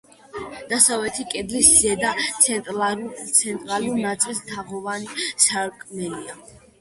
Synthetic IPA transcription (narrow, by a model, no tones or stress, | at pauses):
d̪̥asavlɛt̪ʰikʼɛd̪liszɛd̪at̪sʰɛnt̪ʼt̪sʰɛnt̪ʼɾaluɾnat̪sʼlist̪ʰaʁɔvanisaɾkʼnɛlia